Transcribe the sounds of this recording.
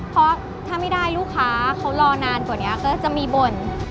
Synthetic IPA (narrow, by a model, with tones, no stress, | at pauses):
pʰɔ˦˥ | t̪ʰaː˥˩ma˥˩jda˥˩jluː˥˩kʰːaː˦˥kʰa˦˥wlɔː˧naː˧nku˨˩ni˦˥ɐkɔː˥˩t͡ɕa˨˩miː˧bo˨˩n